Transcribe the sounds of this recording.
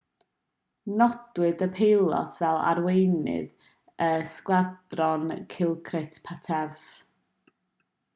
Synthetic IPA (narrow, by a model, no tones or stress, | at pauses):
nɔd̥wɨdəpʰejlˠɔ̰tʰvɛlˠa̰rwejnɨ̰ð | əskwad̥rɔnkʰɪlˠkʰrɪtʰpʰatʰɛv